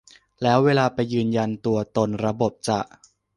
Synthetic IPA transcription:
lɛː˦˥weː˧laː˧pa˧jːɯː˧nja˧nt̪u˧ɐt̪o˧nɾa˧bo˨˩p̚t͡ɕa˨˩ʔ

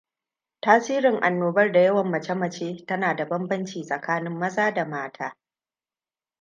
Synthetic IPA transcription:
taː˦siː˦ɾɪ˨ŋʔa˨nːoː˨bɐ˦rda˨jɐ˦wɐ˨mːɐ˨t͡ʃɐ˦mɐ˨t͡ʃeː˦tɐ˦naː˨da˨bɐ˦mbɐ˦nt͡ʃiː˨sʼɐ˨kaː˦nɪ˦mːɐ˦zaː˦da˨maː˦tʰaː˦

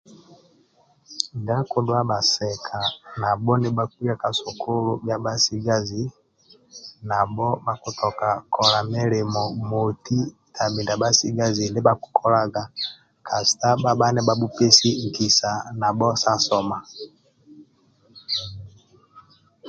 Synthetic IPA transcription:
nɡa˦ko˦dwa˦ba˨sɛ˨kʰa˨na˨bɔ˦nɛ˦ba˦kwi˦a˦ka˨so˨kʰo˦lo˦bja˦ba˦si˦ɡa˦zi˨ | na˨bɔ˦ba˦ku˨tɔ˨ka˨kʰɔ˨la˨mɛ˦lɛ˨mɔ˨mo˨ti˦ | tʰa˨bi˨nda˨ba˦si˦ɡa˦zi˨ndɛ˦ba˦ku̥˨kʰɔ˦la˦ɡa˨ | kʰa˨si̥˨ta˦ba˦ba˦nɛ˦ba˨bu˦pe˦si˦ŋ˨kʰi˨sa˨na˨bɔ˦sa˦sɔ˦ma˨

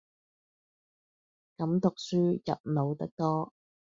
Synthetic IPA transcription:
kɐ˨˧˥mt̪ʊ˨k̚syː˥jɐ̰˨p̚no˨˧wt̪ɐ˥k̚t̪ɔː˥

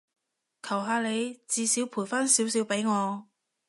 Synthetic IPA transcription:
kʰɐ˨˩wɦaː˧le˨˧jt͡siː˨˧siː˨˥wpʰuː˨˩jfaː˥nsi˨˥wsi˨˧˥wpe˨˥jŋɔː˨˧

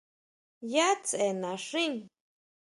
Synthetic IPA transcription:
ja˦t͡se˨na˨ʂi˦ŋ

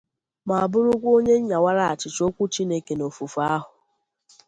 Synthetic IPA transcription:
ma˨a˨bʊ˦ɾʊ˦kʷo˦ɲe˦ɲ̩˦ɲa˨wa˦ɾa˦a˨t͡ʃɪ˨t͡ʃo˦kʷu˦t͡ʃi˦ne˦ke˨no˨fu˨fu˨a˦ɦʊ˨

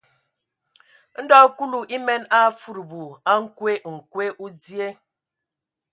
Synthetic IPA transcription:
n̩˦dɔ˦ku˦lu˨ʔi˦me˦na˦fu˨ɾu˨bu˨a˦ŋ̩˦kʷe˦ŋ̩˨kʷe˦ʔu˦dje˦

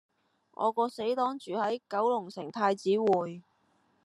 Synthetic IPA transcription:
ŋʔɔ̰ː˨˧kɔː˧se˨˥jt̪ɔː˥ŋt͡ʃyː˨hɐ˨˥jkɐ˨˥wlʊ˨˩ŋsɪ˨˩ŋt̪ʰaː˧jt͡siː˨˥wuː˨˩j

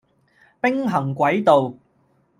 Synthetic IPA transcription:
pɪ˥ŋɦɐ˨˩ŋkʷɐ˨˥jt̪o˨w

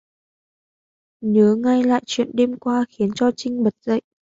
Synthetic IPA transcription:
ɲə˨˦ŋa˧jla̰ː˧˨jt͡ɕwḭ˧˨ənɗe˧mkwaː˧xi˨˦ənt͡ɕɔ˧t͡ɕï˧ŋ̟ɓə˨˩t̚z̥ə̰˧˨jʔ

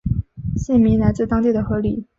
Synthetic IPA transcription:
ɕi˥˩nmi˧˥na˧˥ɪt͡sɹ̩˥˩t̪ɑ˥ŋt̪i˥˩d̪ə˩xɤ˧˥li˨˩˦

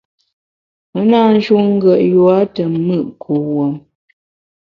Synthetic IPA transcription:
mə˨˦naː˦˨n̩˦d͡ʒu˦ŋ̩˦ɡə˨ʔjwa˦tə˨˦mɨ˦˨ʔkʰo˨wə˨m

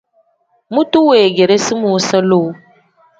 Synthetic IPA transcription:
mũ˦tu˦weː˨ɡe˨ɾe˦si˦mu˨˦sə˦lo˦˨˦

